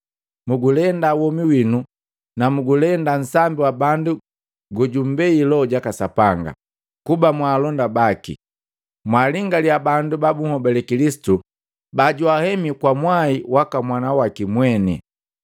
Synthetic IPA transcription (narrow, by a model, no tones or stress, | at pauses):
muɡulɛndawɔmiwinu | namuɡulɛndan̩sambiwabandu | ɡɔɟumbɛilɔɟakasapaŋɡa̰ | kubamwaːlɔndabakḭ | mwaliŋɡaliabandubabuŋhɔbɛlɛkilisi̥tu | baɟuahɛmikwamwaiwakamwanawakimwɛnḭ